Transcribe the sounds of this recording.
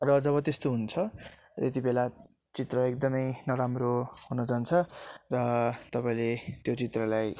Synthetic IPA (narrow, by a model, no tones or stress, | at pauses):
rʌd͡zʌβʌt̪est̪oɦunt͡sʰʌ | et̪̬ibela | t͡sit̪rʌek̚d̪ʌmʌjnʌɾamroɦunʌd͡zant͡sʰʌrʌt̪ʌpaĩlet̪jot͡sit̪rʌlaj